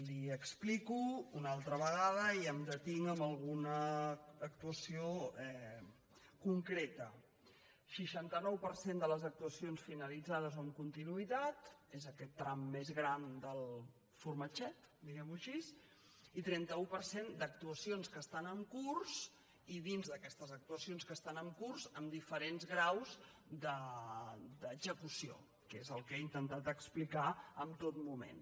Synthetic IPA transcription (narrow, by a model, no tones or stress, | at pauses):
liəksplikuunalˠt̪ɾəβəɣ̞aðəiəmd̪ət̪iŋəmbəlˠɣunəː | kt̪uəsioɛ | kuŋkɾet̪ə | ʃiʃant̪ənɔwpəɾsend̪ələzək̚t̪uəsionsfinəlid͡zað̞əzoəmkunt̪inuit̪at̪ezəkɛt̪ːɾamːezɣɾand̪əlˠ | furmət͡ʃɛt̪d̪iɣɛmuʃis | it̪ɾɛnt̪əupəɾsend̪ək̚t̪uəsionskəst̪anəmkurs | iðinzðəkɛst̪əzək̚t̪uəsionskəst̪anəmkurzəmd̪ifəɾenzɣɾawz | d̪ə | d̪əɡzəkusio̰ | kezəlˠkeint̪ənt̪at̪əksplikaəmt̪ot̪̚mumḛn